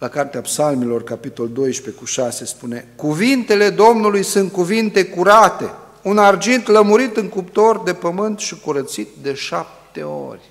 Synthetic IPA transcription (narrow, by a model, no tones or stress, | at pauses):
lakart̪eapsalmelo̞rkapit̪o̞ld̪o̞jʃpekuʃase̞spune̞kuvint̪e̞le̞d̪o̞mnulujsunt̪̚kuvint̪e̞kuɾat̪e̞̰ | unard͡ʒint̪ləmuɾit̪ɨŋkupt̪o̞rd̪e̞pəmɨnt̪ʃikuɾət̪sit̪̚d̪e̞ʃap̚t̪e̞̰o̞̰rʲ